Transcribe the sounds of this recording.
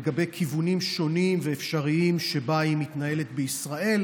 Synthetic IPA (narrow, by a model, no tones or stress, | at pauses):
ɡabe̞jkʰivunimʃo̞nimveːfʃaʁiimʃe̞baimit̪naje̞let̪beisʁaʔe̞l